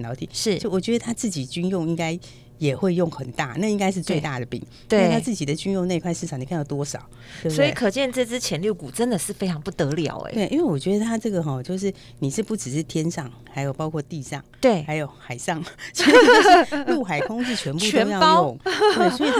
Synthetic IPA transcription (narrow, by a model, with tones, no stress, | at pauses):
nɑ˧˥ʊt̪ʰi˨˩ʂɻ̩˥˩˥wɔ˨˩t͡ɕɥɛ˧˥d̪ə˧a˥t͡sɹ̩˥˩t͡ɕi˨˩t͡ɕy˥njʊ˥˧ŋi˥ŋka˥ɪ | jɛ˨˩xwe˥˧ɪjʊ˥˩ŋxə˨˩nt̪a̰˥˩na˥˧i˥ŋka˥ɪʂ̬ɻ̩˥˧t͡swe˥˧ɪt̪a˥˩d̪ə˩pḭ˨˩˦ŋ | t̪e˥t̪ʰa˥t͡sɹ̩˥˩t͡ɕi˨˩d̪ə˦t͡ɕy˥njʊ˥˧ŋne˥˧kʰwa˥˧ɪʂ̩̬˥˩ɑ˨˩ŋni˨˩ka˥˧nɑ˥˩t̪wɔ˥ʂɑ˨˩˦ʊ | t̪wsbəɔ˧˥i˨˥˩kʰɤ˨˩t͡ɕjɛ˥˧nt͡sɤ˥˧t͡sɻ̩˥t͡ɕʰjɛ˧˥nlju˥˩ku˨˩ʈ͡ʂə˦˥nd̪ə˨ʂɻ̩˥˩fe˥ɪʈ͡ʂʰɑ˧˥ŋpu˥˩t̪ɤ˧˥ljɑ̰˨˧˥ʊḛ˧˦we˥˩ɪʔḭ˥nwe˥˩wɔ˨˩t͡ɕɥɛ˧˥d̪ə˧t̪ʰa˥ʈ͡ʂɤ˥˩ɡə˩xɔ˨˩t͡ɕjo˥˧ʊʂ̬ɻ̩˥˩ | ni˨˩ʂɻ̩˥˧pu˥˩ʈ͡ʂɻ̩˨˩ʂɻ̩˥˩t̪ʰjɛ˥nʂɑ˥˩ŋxa˧˥ɪjo˨˩ʊpɑ˥ʊkʰɔ˥˧t̪i˥˧ʂɑ˥˩ŋt̪we˥˩xa˧˥ɪjo˨˩˦ʊxa˨˩ɪʂɑ˥˩ŋslu˥˩xa˨˩ɪkʰʊ˥ŋ̩˥˧˩t͡ɕʰɥɛ˧˥npu˧t̪o˧˥ʊjɑ˥˧˥ʊ˥˨˩ŋ˥˩swi˨